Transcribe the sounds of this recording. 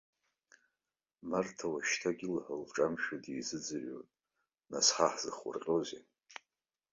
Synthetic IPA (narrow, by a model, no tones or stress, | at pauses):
martʰawaʃtʰaɡʲilħəlʈ͡ʂʼamʃᶣadijzɨd͡zɨʕo̰nʼ | na̰sħaħz̥ɨ̰χʷʊ̰rqʲʼozḛ